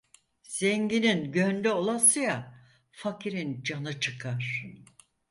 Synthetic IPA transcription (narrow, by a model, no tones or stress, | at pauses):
z̥ɛɲɟininɟønd̪ɛo̞lˠasɯja | facʰiɾind͡ʒanɯt͡ʃʰɯkʰaɾ̥